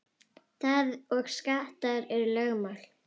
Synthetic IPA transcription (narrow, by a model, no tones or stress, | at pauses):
θaðɔɣskaːht̪aðʏɾɛɾʏlœɣmal̥